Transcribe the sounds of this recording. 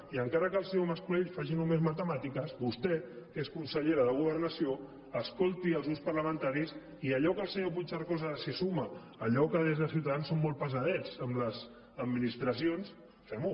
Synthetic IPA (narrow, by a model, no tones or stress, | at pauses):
iəŋkaɾəkəlˠsewməskuleʎfaʒinumezmət̪əmat̪ikəzbust̪ɛkeskunsəʎeɾəðəɣuβəɾnəsio | əskolˠt̪iəlzuspəɾləmənt̪aɾis | iəʎɔkəlˠseap̬ut͡ʃaɾkɔzəsisuməː | ʎɔkəðezðəsiwt̪aðansːomːɔlˠt̪̚pəzəðɛt͡səmləz | əd̪minist̪ɾəs̬ions | fɛmu